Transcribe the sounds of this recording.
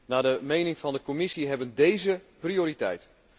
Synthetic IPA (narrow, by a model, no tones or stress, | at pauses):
naːdəmejnɪŋfɑndəkomɪsiɦɛbəndejzəprioːɾitɛjt